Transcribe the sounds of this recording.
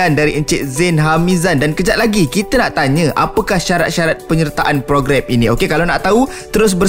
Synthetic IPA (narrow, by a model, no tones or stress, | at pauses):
andaɾiʔəɲt͡ʃɪʔ̚zɪnɦamĩzandankəd͡ʒat̪ʔ̪̚laɡikit̪ənaʔt̪aɲəʔa̰pəkahʃaɾa̰t̪̚ʃaɾat̪̚pəɲərt̪aʔanpɾoɡɾɛminĩokekalawnaʔt̪au | t̪əɾʊs̬bə